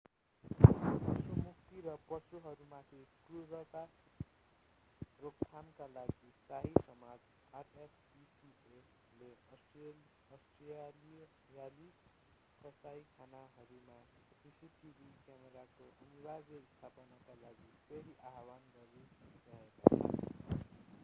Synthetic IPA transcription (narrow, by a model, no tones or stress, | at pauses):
sumukt̪iɾʌpʌsuɦʌɾumat̪ʰikruɾʌt̪a | rokkʰamkalaɡisaɦisʌmad͡z | aresbisie | leʌse | ʌsʈli | jali | kʌsajkʰanaɦʌɾuma | sisiʈibʱikjameɾakoʔʌnibad͡zʌist̪ʰapʌnakalaɡiseɾiʔaɦwanɡʌɾesʌd͡zaeka̰t͡sʰʌ̰